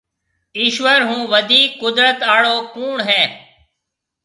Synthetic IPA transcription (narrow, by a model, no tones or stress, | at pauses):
iːʃʋəɾɦũːʋəd̪ʱiːkːʊd̪ɾət̪aːɭoːkuːɳɦɛ̃ː